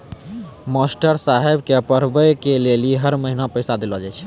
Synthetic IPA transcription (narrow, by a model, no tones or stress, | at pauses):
mɔsʈəɾsaɦebkeəpəɾ̤bəjkeleliɦəɾməɦinapəjsad̪elɔd͡ʒajt͡ʃʰ